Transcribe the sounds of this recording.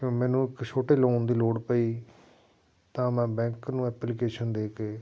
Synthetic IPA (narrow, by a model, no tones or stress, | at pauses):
kõːmɛ̃ːnũːɪkt͡ʃʰoːʈeːloːnd̪iːloːɽpəiː | t̪ãːmɛ̃ːbɛ̃ːŋknũːɛːplikeːʃənd̪eːkeː